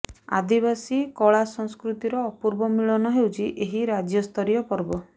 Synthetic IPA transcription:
a̰d̪ibasikɔɭasɔŋskɾut̪iɾɔːpuɾbɔmiɭɔnɔɦewt͡ʃʰiʔeɦiɾad͡ʒjɔst̪ʰɔɾijɔpɔɾbɔ

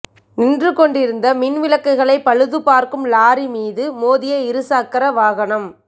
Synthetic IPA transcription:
nɪndrɯkɔɳɖɪɾɯnd̪ɐmɪnʋɪlɐkːɐɪɣɐɭɐɪpːɐɻɯðɯpaːɾkɯmlaːɾimiːðɯmoːðɪjɐɪɾɯsaːkːɐɾɐʋaːɣɐnɐm

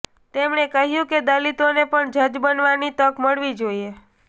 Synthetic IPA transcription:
t̪emɳekəɦjũked̪alit̪onepəɳd͡ʒəd͡ʒbənʋanit̪əkməɭʋid͡ʒoie

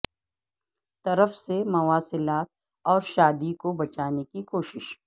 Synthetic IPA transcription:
t̪ɐɾəfsemɐʋaːsɪlaːt̪̚ | ɔːɾʃaːd̪ikobɐt͡ʃaːnekikoːʃɪʃ

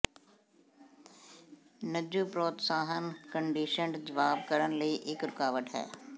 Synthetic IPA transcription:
nəd͡ʒupɾoːt̪saːɦənkə̃ɳɖiːʃəɳɖd͡ʒɐʋaːb̚kəɾənləiʔɪkɾʊkaːʋəʈɦɛ̰ː

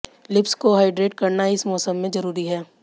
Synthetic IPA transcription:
lɪpskoɦaːɪɖɾeːʈ̚kɐɾnaɪsmɔːsəmːẽzɐɾuːɾiɦɛː

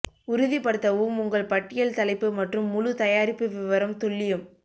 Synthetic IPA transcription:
ʊɾʊðipɐɽɯt̪ːɐʋɯmʊŋɡɐɭpɐʈːɪjɐlt̪ɐlɐɪpːɯmɐʈrɯmːʊɻʊt̪ɐjaːɾɪpːɯʋɪʋɐɾɐmt̪ʊɭːɪjɯm

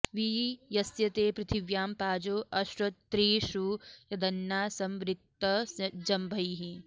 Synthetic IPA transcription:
ʋijɐsjɐt̪eːpɾɪt̪ʰiʋjaːmpaːd͡ʒoːʔɐʃɾɐt̪t̪ːɾiːʃujɐd̪ɐnjaːsɐ̃mʋɾɪk̚t̪ɐsd͡ʒɐmbʱɐjiɦi

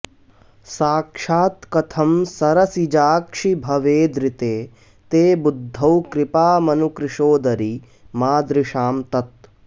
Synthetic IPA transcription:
saːkʂaːt̪kɐt̪ʰɐmsɐɾɐsid͡ʒaːkʂibʱɐʋeːd̪ɾit̪eː | t̪eːbud̪ʱːɐwkɾɪpaːmɐnukɾɪʃoːd̪ɐɾi | maːd̪ɾiʃaːmt̪ɐt̪

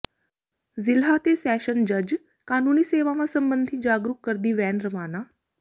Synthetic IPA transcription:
zɪlɦat̪esɛːʃənd͡ʒəd͡ʒ | kaːnuniːseːʋamãsəmbənd̪ʱid͡ʒaːɡɾukːəɾd̪iːʋɛːnɾəmaːna

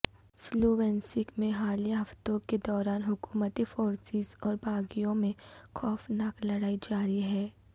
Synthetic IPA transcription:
sloːʋɛ̃ːnsɪkmẽɦaːlijaɦɐft̪õked̪ɔːɾaːnɦʊkuːmət̪ifoːɾsɪzɔːɾbʱaːɡijõmẽxʰɔːfnaːklɐɽaːid͡ʒaːɾiɦɛː

